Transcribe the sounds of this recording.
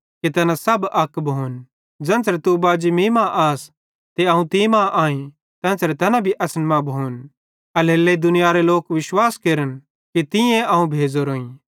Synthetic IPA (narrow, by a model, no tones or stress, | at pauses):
ket̪ɐnãsɐbɐkːbʱoːn | d͡ʒɐ̃ːnsɾet̪ubaːd͡ʒimiːmãʔaːs | t̪eɐũt̪imãʔaːĩ | t̪ɛ̃ːnsɾet̪ɐnãbʱiʔɐsənmãbʱoːn | ɐlɦelːed̪ʊnɪjaɾeloːkʋɪʃwaːskeːɾən | kit̪ɪ̃jẽʔɐɦũbʱeːd͡zoɾoːĩː